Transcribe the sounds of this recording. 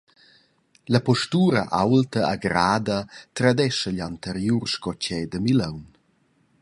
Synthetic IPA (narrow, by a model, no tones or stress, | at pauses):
lapɔʃtuːɾɐʔawltəaɡɾaːd̪ɐt̪ɾad̪ɛʃəʎant̪əɾjurʃkɔt͡ʃɛːd̪əmiləwn